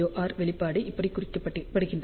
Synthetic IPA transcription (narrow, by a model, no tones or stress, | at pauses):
oːʔaːɾʋɛɭɪpːaːɽɯʔɪpːɐɽikːʊrɪkːɐpːɐʈːpːɐɽɯɣɪndr